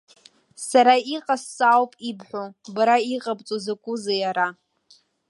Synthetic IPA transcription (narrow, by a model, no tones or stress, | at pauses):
saɾaiqʼasːawpʼibħʷobaɾaiqʼabʼt͡sʼozakʷʼʊzajaɾa